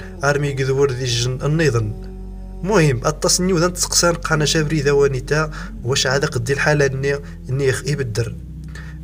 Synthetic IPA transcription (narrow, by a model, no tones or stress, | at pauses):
ʔɑɾˤmiɡəðwəɾðiʒənənːiðˤən | mʊhəmːʔæt̪ˤːɑsnːiwðænt̪sə̥qsænqʰːɑnæʃæbɾiðæwænit̪æ | wæʃʕad̪æqəd̪ːilħalænːi | nːixibəd̪ːəɾ